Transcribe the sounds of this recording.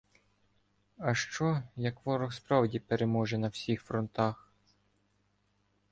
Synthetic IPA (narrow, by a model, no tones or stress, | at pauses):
ɐʃt͡ʃɔjɐkʋɔɾɔxspɾɑwdʲipeɾemɔʒɛnɐwsʲixfɾɔnt̪ɑx